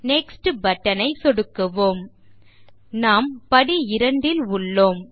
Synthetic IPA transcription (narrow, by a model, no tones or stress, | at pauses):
nɛksʈɯbɐʈːɐnɐɪsɔɽɯkːɯʋoːm | naːmpɐɽiɪɾɐɳɖɪlʊɭːoːm